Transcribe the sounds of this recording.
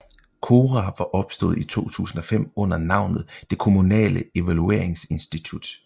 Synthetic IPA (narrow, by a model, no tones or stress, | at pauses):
kʰo̝ːʁɑʋɑ̈ʔɒ̽b̥sd̥ɔ̰̽ːð̞̩̰ˠit͡sʰo̝̰ːt͡sʰṵːsn̩ɒ̽fem̰ɔ̽n̰ɐnɑ̈ʊ̰nð̞̩ˠd̥e̝kʰo̝munɛ̰ːləe̝ʋælue̝̰ɐ̰eŋse̝nsd̥it͡sʰud̥